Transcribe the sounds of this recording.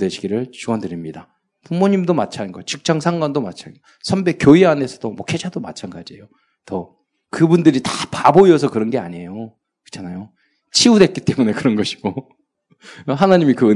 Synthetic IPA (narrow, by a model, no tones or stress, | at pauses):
dwe̞ɕʰiɡiɾɯɭt͡ɕuɡʌndɯɾimɲida | pumoɲimdomat͡ɕʰanɡʌt͡ɕik̚t͡ɕ͈aŋsʰaŋɡwandoma̰t͡ɕʰanɡ | sʰʌmbe̞k͈joiane̞sʰʌd̥omwʌkʰe̞d͡ʑʰadoma̰t͡ɕʰanɡad͡ʑiḛjo | tʌ | kɯbundɯɾitapaboiʌsʰʌkɯɾʌnɡe̞a̰ɲe̞jo | kɯ̥t͡ɕʰanajo | t͡ɕʰiudwe̞t̚k͈it͈e̞mune̞kɯɾʌnɡʌɕʰi̥ɡo | ɦanaɲimikɯɯ